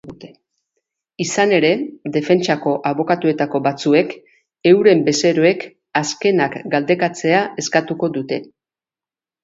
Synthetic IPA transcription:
t̪e | isane̞ɾe̞ðe̞fe̞nt͡ʃako̞ʔaβ̞o̞kat̪ue̞t̪ako̞βat͡sue̞k | e̞wɾe̞mbe̞se̞ɾoe̞k | aske̞nakɡald̪e̞kat͡se̞ae̞skat̪uko̞ðut̪e̞

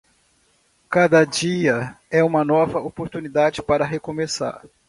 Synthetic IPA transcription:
kad̪ɐd͡ʒiɐɛũmɐnɔvɐopoɾt̪unid̪ad͡ʒɪpaɾɐɦekõmesa̰ɾ

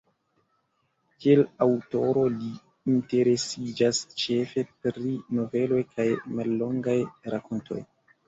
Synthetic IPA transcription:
kielawto̞ɾo̞liː | nte̞ɾe̞sid͡ʒast͡ʃe̞fe̞pɾino̞ve̞lo̞jkʰajmalːo̞ŋɡajɾako̞ntʰo̞̰j

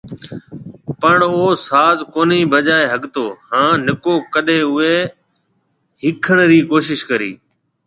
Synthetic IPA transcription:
pəɳoːsaːzkoːniːbəd͡ʒaːeɦəɠt̪oːhãːnɪkoːkəɗeːʊeː | ɦɪkʰəɳɾiːkoːʃɪʃkəɾḭː

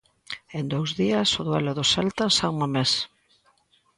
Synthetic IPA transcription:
end̪owzðiɐsʊðwɛlʊðʊsɛlt̪ansauŋames

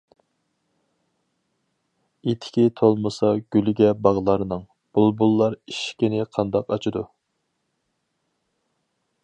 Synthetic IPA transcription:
et̪ʰːɪ̥kʲʰit̪ʰolˠmɨsɑɡʲylɡʲɛbɑʁlˠɑɾnɨŋ | b̥ulˠbulˠːɑɾiʃkʲinɪqʰɑnd̪ɑqɑt͡ʃʰid̪u

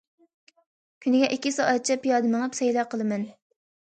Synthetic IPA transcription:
kʲʰynɪɡʲɛʔikʲːisɑʔæt̪̚t͡ʃʰɛpijɑːd̪ɨməŋəpsɛjlˠɑqʰəlˠɨmɛn

